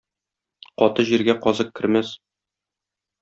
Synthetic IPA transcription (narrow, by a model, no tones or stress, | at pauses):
qɒt̪ɤʑiɾɡæqɒzɤq̚kːɘ̆ɾmæs